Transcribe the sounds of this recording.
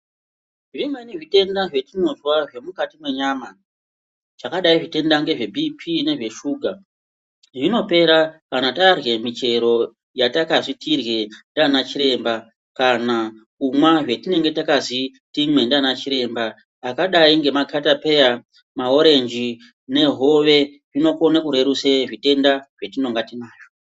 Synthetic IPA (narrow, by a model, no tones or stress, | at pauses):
ʐimwe̞niʐite̞ndaʐe̞tino̞zwaʐe̞mukatimwe̞ɲama | ʐ̥akaɗaiʐite̞ndaŋɡe̞ʐe̞bʱipʰine̞ʐe̞ʃuːɡʱa | ʐino̞pe̞ɾakanatarwe̞mit͡ʃe̞ɾo̞ | jatakaʐitʰirɣe̞ndanat͡ʃiɾe̞mba | kana | umwaʐwe̞tine̞ŋɡe̞takazitimwe̞ndanat͡ʃiɾe̞mbaː | kaɗaiŋɡe̞makʰatape̞ja | mao̞ɾe̞nd͡ʒi | ne̞ɦo̞ʋe̞ | ʐino̞konakuɾe̞ɾuseʐite̞ndaʐ̥e̞tino̞ŋɡatinaːjo̥